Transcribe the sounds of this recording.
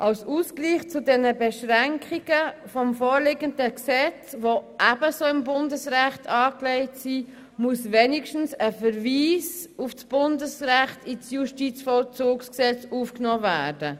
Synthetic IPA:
ʔawsuːskliːχt͡sudɛnəbɛʃʁɛŋkʰχiɡ̥əfɔmfoːɾlɪɡəndəksɛt͡svoʔæb̥əsoːɪmbʊndəsʁæχtʰɑːkleɪtsi | musvenɪʃtn̩səfəɾviːs | ufsb̥ʊndəsʁæχtisjuʃtiːt͡sfɔlt͡suːksksɛt͡suːfknɔːvæːɾd̥ə

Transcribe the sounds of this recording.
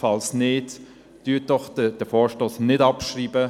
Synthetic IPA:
fɑlsnɪt | d̥yət̚d̥ɔχdəd̥əfɔːɹʃtoːsnɪdɑpʃɾiːbə

